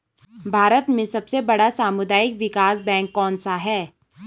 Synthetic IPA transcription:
bʱaːɾət̪mẽsɐbsebɐɽasaːmʊd̪aːjɪkʋɪkaːsbɛ̃ːŋkːɔːnsaɦɛː

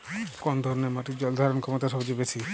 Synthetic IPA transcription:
kɔnd̪ʱɔɾɔneɾmaʈid͡ʑɔld̪ʱaɾonkʰɔmot̪aʃɔbd͡ʑebet͡ʃʰi

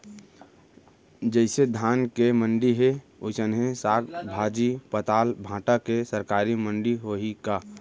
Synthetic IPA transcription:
d͡ʒəɪsed̪ʱaːnkemə̃ɳɖiɦe | osənɦẽsaːkbʱaːd͡ʒipət̪aːlbʱãːʈakesəɾkaːɾimə̃ɳɖiɦoɦikaː

